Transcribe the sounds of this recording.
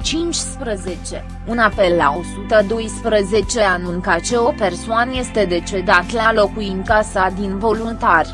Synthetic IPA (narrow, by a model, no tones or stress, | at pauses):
t͡ʃint͡ʃʲspɾəze̞t͡ʃe̞̰ | unape̞lːa̰o̞sut̪əd̪o̞jspɾəze̞t͡ʃe̞anuŋkat͡ʃe̞o̞pe̞rsoanje̞st̪e̞d̪e̞t͡ʃe̞d̪at̪lalo̞kuiŋkasad̪invo̞lunt̪arʲ